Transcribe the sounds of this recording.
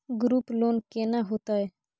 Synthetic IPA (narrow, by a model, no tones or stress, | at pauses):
ɡɾuːploːnkeːnaɦoːt̪aːeː